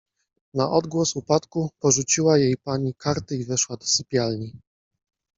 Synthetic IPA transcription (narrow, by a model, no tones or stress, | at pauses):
naʔɔd̪ɡwɔsupat̪kupɔʐut͡ɕiwajejpaɲikaɾt̪ɘivɛʂwad̪ɔsɘpʲjalɲi